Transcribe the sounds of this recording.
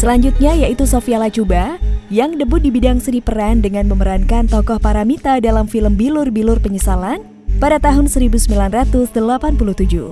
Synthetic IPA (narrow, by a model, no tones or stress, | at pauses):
səlaɲd͡ʒut̪̚ɲajaʔit̪usofialat͡ʃubajaŋdəbʊt̪̚dibidaŋsənipəɾandəŋanməməɾankant̪ɔkɔhpaɾamit̪adalamfiləmbilʊrbilʊrpəɲəsalan | padat̪aɦʊnsəɾibusəmbilanrat̪ʊsdəlapanpuluht̪ud͡ʒṵ